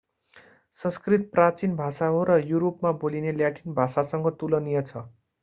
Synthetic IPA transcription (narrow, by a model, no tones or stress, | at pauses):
sʌ̃skrit̪̚prat͡sinbʱasaɦoɾʌjuɾopmabolineljaʈinbʱasasʌŋɡʌt̪ulʌnijʌt͡sʰʌ